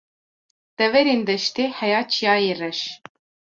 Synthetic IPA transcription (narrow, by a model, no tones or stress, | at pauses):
d̪̥ɛvɛɾeːnd̪ɛʃt̪eːhɛjaːt͡ʃʰijaːjerɛʃ